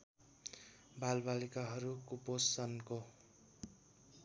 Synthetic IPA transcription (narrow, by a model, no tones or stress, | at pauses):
balbalikaɦʌɾukuposʌnko